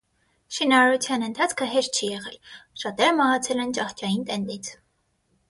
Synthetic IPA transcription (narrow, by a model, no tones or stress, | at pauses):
ʃinɑɾɑɾut͡sʰjɑnənt̪ʰɑt͡sʰkʰəɦɛʃt̪̚t͡ʃʰijɛʁɛlʃɑt̪ɛɾmɑɦɑt͡sʰɛlɛnt͡ʃɑχt͡ʃɑjint̪ɛnd̪it͡sʰ